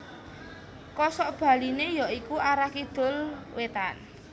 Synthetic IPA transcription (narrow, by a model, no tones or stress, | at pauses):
kɔsɔʔb̥ä̤linejɔikuaɾakid̪̥o̤lwet̪an